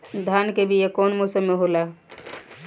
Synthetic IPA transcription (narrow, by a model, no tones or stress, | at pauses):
d̪ʱankebʱijekoːnmosəmːeɦola